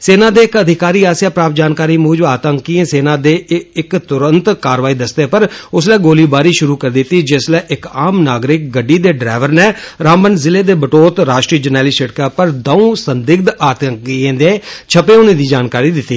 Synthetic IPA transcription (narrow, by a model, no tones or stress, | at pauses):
seːnãːd̪eːɪkəd̪ʱɪkaːɾiːaːsjaːpɾaːpd͡ʒaːnkaːɾiːmuːd͡ʒaːt̪əŋkiẽːseːnãːd̪eːɪkt̪ʊɾənt̪kaːɾʋaːiːd̪əst̪eːpəɾʊslɛːɡoːliːbaːɾiːʃʊɾuːkəɾd̪ɪt̪ːiːd͡ʒɪslɛːʔɪkaːmnaːɡɾɪk̚ɡəɖːiːd̪eːɖɾaːʋəɾnɛːɾaːmənzɪleːd̪eːbəʈoːt̪ɾaːʃʈɾiːd͡ʒənɛːliːsəʈkəːpəɾd̪əũːsənd̪ɪɡ̚d̪aːt̪əŋkiẽːd̪eːt͡ʃʰəpeːʊnẽːd̪iːd͡ʒaːnkaːɾiːd̪ɪt̪ːiː